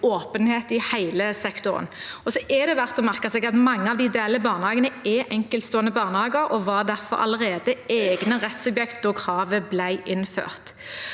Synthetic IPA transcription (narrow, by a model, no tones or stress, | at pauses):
oːpənheːt̪ɪhæɪləsɛkt̪ʊʁə̰nɔsɔʔɛd̪ɛʋæʁt̪ɔmæʁkəsɛːɡɑt̪mɑŋːəɑʋd̪ɪd̪eːləbɑːʁnhɑːɡənəɛʔɛŋkəlt̪st̪oːɛnəbɑːʁnəhɑːɡəɾɔʋɑd̪æʁfɔ̰ɾɑ̰ləʁeːd̪əeːɡnəʁɛt̪sʉbjɛkt̪ɔkʰʁɑːʋəblæɪʔɪnfø̰ːʁt̪